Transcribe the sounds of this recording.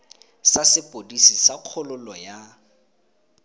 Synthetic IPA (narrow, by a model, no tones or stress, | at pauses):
sasɪpʼodisisaq͡χʰʊlʊlɔja